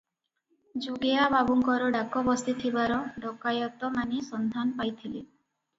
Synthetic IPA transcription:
d͡ʒuɡeababuŋkɔɾɔɖakɔbɔst̪it̪ʰibaɾɔɖɔkajɔt̪ɔmanisɔnd̪ʱanpajt̪ʰili

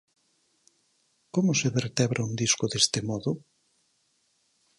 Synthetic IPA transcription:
komʊseβeɾt̪ɛβɾʔaund̪iskʊðest̪ɪmɔðʊ

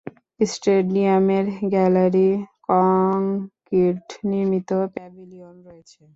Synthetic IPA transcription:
isʈeɖiameɾɡɛlaɾikɔŋkiɾʈniɾmit̪opɛbʱilionɾoet͡ɕʰe

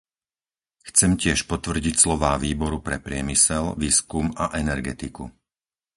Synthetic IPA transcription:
xt͡sɛmcɪɛʃpɔt̪ʋr̩ɟicslɔʋaːʋiːbɔɾupɾɛpɾɪɛmisɛlʋiːskumaʔɛnɛɾɡɛt̪ikṵ

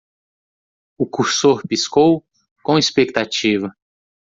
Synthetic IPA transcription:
ʊkuɾsoɾpiskow | kõispek̚t̪at͡ʃivɐ

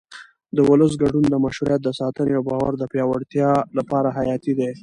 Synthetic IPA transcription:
d̪əwʊləs̬ɡaɖund̪əmaʃhuɾjat̪̚d̪əsɑt̪əneawbɑwa̰ɾd̪əpjɑwaɽt̪jɑlapɑɾaɦajɑt̪id̪e

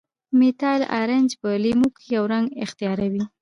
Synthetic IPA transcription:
mit̪ɑjla̰ɾand͡ʒpəlimukjawɾaŋɡɪxt̪ijɑɾawi

